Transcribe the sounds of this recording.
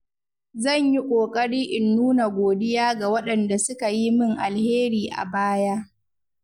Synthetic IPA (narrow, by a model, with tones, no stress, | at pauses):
zɐ˦˨ɲji˦kʷʼoː˨kʼɐ˦ɽiː˦ʔɪ˨nːuː˦na˨ɡʷoː˨dɪ˦jaː˦ɡa˨wɐ˦ɗɐ˨nda˨sʊ˦ka˨ji˦mɪ˦˨ŋʔa˨lheː˦ɾiː˨ʔa̰˨baː˦ja˦ʔ